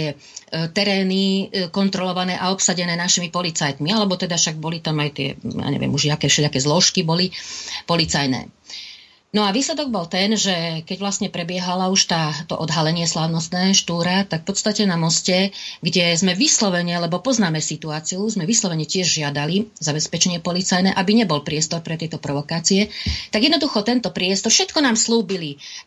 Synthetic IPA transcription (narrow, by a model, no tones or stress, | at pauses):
t̪ɪɛ | t̪ɛɾɛːnikɔnt̪ɾɔlɔʋanɛːʔaɔpsaɟɛnɛːnaʃimipɔlit͡sajt̪mialɛbɔt̪ɛd̪afʃaɡ̚bɔlit̪amajt̪ɪɛ̰ja̰ɲɛ̰ʋɪ̰ɛ̰muʒakɛfʃɛʎakɛːzlɔʃkibɔlipɔlit͡sajnɛ̰ː | nɔaʋiːslɛd̪ɔɡ̚bɔlt̪ɛnʒɛkɛɟʋlast̪ɲɛpɾɛbɪɛɦalauʃt̪aːt̪ɔ̰ʔɔd̪ɦalɛɲɪɛslaːʊnɔst̪nɛːɦɔʃt̪uːɾat̪akfpɔt̪st̪acɛnamɔscɛɡɟɛzmɛʋislɔʋɛɲɛalɛbɔpɔznaːmɛsit̪uaːt͡siuzmɛʋislɔʋɛɲɛcɪɛʒʒɪad̪alizabɛspɛt͡ʃɛɲɪɛpɔlit͡sajnɛːʔabiɲɛbɔlpɾɪɛst̪ɔɾpɾɛt̪ɪɛt̪ɔpɾɔʋɔkaːt͡siɛt̪aɡjɛd̪nɔd̪uxɔt̪ɛnt̪ɔpɾɪɛst̪ɔɾfʃɛt̪kɔnaːmsluːbili